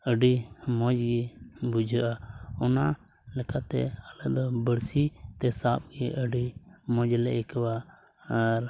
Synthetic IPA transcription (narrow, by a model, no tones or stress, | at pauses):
əɖiːmõːd͡ʒɡibʊd͡ʒʱəʔaːʊnãː | ləkat̪ḛələd̪bəɽsiːt̪eːsaːp̚ɡeʔəɖiːmõːd͡ʒleɪkʋa | ɾ